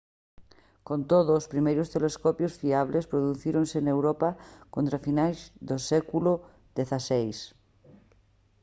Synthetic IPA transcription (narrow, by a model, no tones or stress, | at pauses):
kõnt̪oð̞oːspɾimejɾost̪eleskopjosfiaβ̞lespɾoðuθiɾõnsenewɾopakont̪ɾafinajzðosɛkulo | ðeθasejs